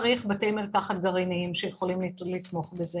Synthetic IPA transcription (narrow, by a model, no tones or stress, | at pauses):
ʁiχbat̪ejmelkaχat̪̚ɡaʁiniimʃejeχolimlit̪mo̞χbeze